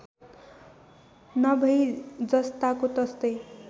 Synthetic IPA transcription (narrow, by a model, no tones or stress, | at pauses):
nʌbʱʌjd͡zʌst̪akot̪ʌst̪ʌj